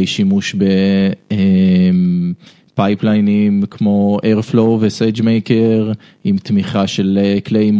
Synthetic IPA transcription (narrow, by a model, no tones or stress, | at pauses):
jʃimuʃbeem | pajplajnimkʰmo̞ʔeʁflowvesed͡ʒmejkeʁ | imt̪miχaʃe̞leklejm